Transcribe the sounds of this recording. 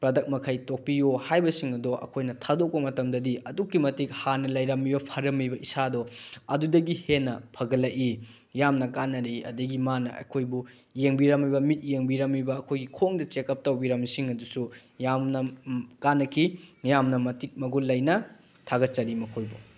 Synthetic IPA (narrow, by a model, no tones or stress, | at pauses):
pɾɐdɐk̚mɐkʰɐjtok̚pijohajbɐsiŋɐdɔʔɐ̰kʰojnɐtʰadok̚pɐmɐtɐmdɐdiʔɐdukːimɐtik̚hanɐlɐjɾɐmːibɐpʰɐɾɐmːibɐisadɔɐdudɐɡihenːɐpʰɐɡɐlɐʔi | jamnɐkanːɐɾijɐ̰dɐɡimanɐ̰ɐ̰kʰojbu | jeŋbiɾɐmːibɐmit̚jeŋbiɾɐmːibɐːkʰojɡikʰoŋdɐt͡ʃekːɐp̚tɐwbiɾɐmsiŋɐdusujamnɐkanːɐkʰijamnɐmɐtik̚mɐɡulɐjnɐ | tʰaɡɐt̚t͡ʃɐɾimɐkʰojbu